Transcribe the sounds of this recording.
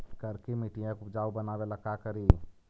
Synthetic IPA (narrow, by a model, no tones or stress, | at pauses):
kəɾkemiʈijãkupd͡ʒaːubənabeləkakəɾi